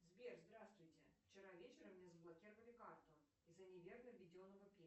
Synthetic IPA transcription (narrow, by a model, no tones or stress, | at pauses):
zbʲerzd̪ɾast̪vʊjtʲɪft͡ɕɪɾavʲet͡ɕɪɾəmːnʲezəblˠɐkʲiɾəvəlʲɪkart̪ʊ | izənʲɪvʲernəvʲɪdʲonːəvəpʲe